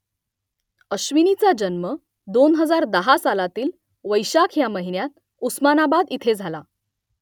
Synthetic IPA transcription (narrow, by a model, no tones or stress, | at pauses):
əɕʋinit͡sad͡ʑənmə | d̪onɦəd͡zaɾd̪əɦasalat̪iːl | ʋəjɕakʰjaməɦinjat̪̚ | usmanabad̪it̪ʰed͡zʱala